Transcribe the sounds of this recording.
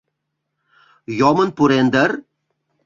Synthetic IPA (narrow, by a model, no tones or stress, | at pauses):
jomənpuɾend̪ər